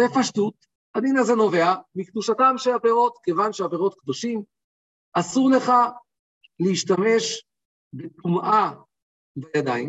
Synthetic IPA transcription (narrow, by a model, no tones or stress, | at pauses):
zefaʃtut̪ | adinazeno̞ve̞amikd̪uʃatamʃeabeʁo̞t̪kevanʃeabeʁo̞t̪̚kd̪o̞ʃim | asuʁle̞χa | leiʃtame̞ʃ | bet̪umʔa | vejad̪aim